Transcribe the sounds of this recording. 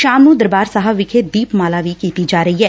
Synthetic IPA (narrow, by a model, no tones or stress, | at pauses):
ʃaːmnũːd̪əɾbaːɾsəɦəʋɪkʰed̪iːpmaːlaːʋiːkiːt̪iːd͡ʒaːɾəɦiːɦɛː